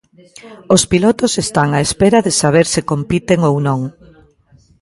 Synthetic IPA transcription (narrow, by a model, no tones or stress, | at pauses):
ospilɔt̪osest̪aŋaespeɾɐðɪsaβ̞eɾsɪkompit̪eŋownõŋ